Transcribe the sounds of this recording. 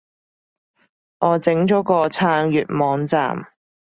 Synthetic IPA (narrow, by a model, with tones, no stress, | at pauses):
ŋʔɔː˨˧t͡sɪ˨˥ŋt͡ʃɔː˨˥kɔː˧t͡sʰaː˧ŋjyː˨t̚mɔː˨˧ŋt͡sa̰ː˨˩m